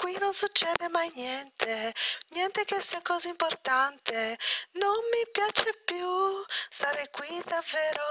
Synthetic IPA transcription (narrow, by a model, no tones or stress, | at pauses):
kwinonsut͡ʃːɛːd̪emajnjɛnt̪ʰenjɛnt̪ekesːiakɔːzaimport̪ant̪enonmipjaːt͡ʃepjust̪aːɾekwid̪avːɛːɾo